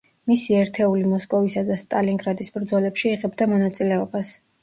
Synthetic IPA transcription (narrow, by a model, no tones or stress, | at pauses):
misiɛɾt̪ʰɛulimɔskʼɔvisad̪ast̪ʼaliŋɡɾad̪isbɾd̪zɔlɛpʃiːʁɛbd̪amɔnat̪sʼilɛɔbas